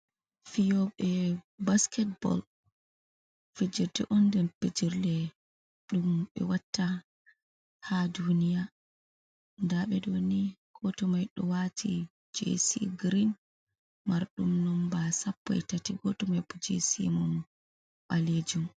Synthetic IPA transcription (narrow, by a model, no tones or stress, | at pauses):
fijɔɓɛbaskɛt̚bɔ̰l | fed͡ʒiɾtɛ̰ʔɔndɛmped͡ʒiɾlɛ | ɗumɓɛ̰watːa | hadunija | ndaɓɛdoniɡ̥ɔtɔmajɗɔwatʰi | d͡ʒḛsḭɡɾin | maɾɗumnɔmbasapːɔ̰ɛtatiɡɔtɔmajbɔd͡ʒḛsḭmɔm | ɓaled͡ʒum